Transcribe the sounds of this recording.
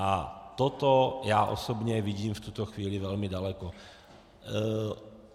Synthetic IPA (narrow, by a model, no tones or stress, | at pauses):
ʔat̪ot̪ojaːʔo̞̰sobɲɛvɪɟiːmft̪ut̪oxviːlɪvɛlmɪdalɛko